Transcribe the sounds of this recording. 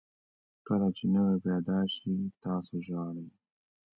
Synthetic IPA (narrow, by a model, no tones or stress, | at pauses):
kəlat͡ʃenaweped̪ɑʃit̪ɑːsoʒɑɽəj